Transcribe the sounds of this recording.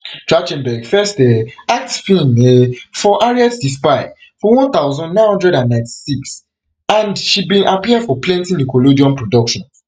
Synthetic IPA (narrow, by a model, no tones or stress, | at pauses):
t͡ʃat͡ʃɛ̃nbɛɡfɛsteak̚tfĩnefɔʔaɹiɛsdis̬paɪ | fɔwɔ̃nt̪aʊzɔ̃ndnãɪ̃nhɔ̃ndɹɛdãnːãɪ̃nti̥siks | ãndʃibĩnʔapiɛfɔplɛ̃ntĩnikolodiɔ̃mpɹodɔkʃɔ̃n